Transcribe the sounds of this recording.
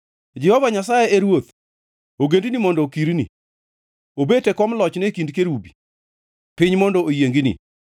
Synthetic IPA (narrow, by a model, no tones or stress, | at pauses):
d͡ʒɛhɔvaɲasajeeɾwot̪ | oɡendinimɔndɔkiɾnḭ | obetɛkɔmlɔt͡ʃnɛkindkeɾubi̥ | pɪɲmɔndɔʔojeŋɡinḭ